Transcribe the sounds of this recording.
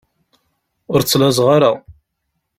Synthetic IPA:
ʊɾt͡sːlæzʁaɾa

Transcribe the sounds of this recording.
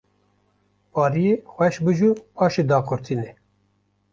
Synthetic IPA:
pɑːɾijexʷɛʃbɨʒupʰɑːʃed̪ɑːkʰʊɾt̪ʰiːnɛ

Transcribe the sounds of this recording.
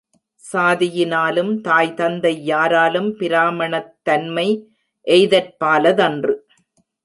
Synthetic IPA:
saːðɪjɪnaːlɯmt̪aːjt̪ɐnd̪ɐɪːaːɾaːlɯmpɪɾaːmɐɳɐt̪ːɐnmɐɪ | ʔɛjɪðɐrpaːlɐðɐndrɯ

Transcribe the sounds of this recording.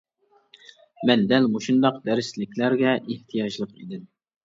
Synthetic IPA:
mɛnd̪ɛlmoʃund̪ɑqd̪ɛɾɪslɪkʲlæɾɡʲɛʔeht̪ʰijɑʒlˠəqḭd̪ɪm

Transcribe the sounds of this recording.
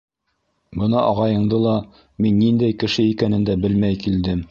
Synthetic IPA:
bɤ̆nɑʔɑʁɑjɤ̆ɴd̪ɤlˠɑ | minːind̪æjkɘ̆ʃɘikænɘ̆nd̪æbɘlmæjkild̪ɘm

